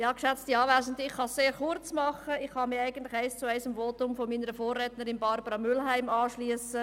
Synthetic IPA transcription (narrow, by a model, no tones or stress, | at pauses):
jɑːkʃɛt͡stiɑːvæːsn̩dɪχχɑsseːɾχʊɾt͡smɑχəɪχhɑmɪæɪɡəntlɪxæɪst͡suɛɪsɪmvoːtʊmfɔmiːnəɾəfoːrːɛːtnəɾɪnbɑɾbəɾɑmʏlɦæɪmɑːʃliəsə